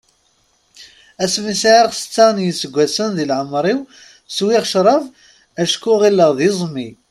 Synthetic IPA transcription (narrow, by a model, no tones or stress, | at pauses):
æsmisʕiʁsə̥t͡sːaʁnjəsːəɡʷːæsənðilʕəmɾˤiw | swiʁʃɾˤɑv | æʃkːʊʁilːəʁðizˤmi